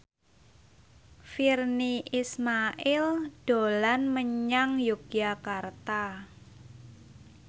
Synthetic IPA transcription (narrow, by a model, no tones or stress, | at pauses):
firniʔismaʔɪlɖ̥olanməɲaŋjuɡ̥iakart̪a